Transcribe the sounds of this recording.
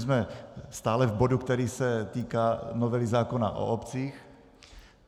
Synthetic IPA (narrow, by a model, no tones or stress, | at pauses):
zmɛst̪aːlɛvbodukt̪ɛɾiːsɛt̪iːkaːnovɛlizaːkona̰ʔo̰ʔopt͡siːx